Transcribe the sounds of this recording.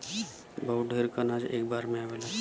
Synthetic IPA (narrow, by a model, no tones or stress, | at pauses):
bəɦuɖʱeɾkanaːd͡ʒḛːk̚baːɾmẽaʋela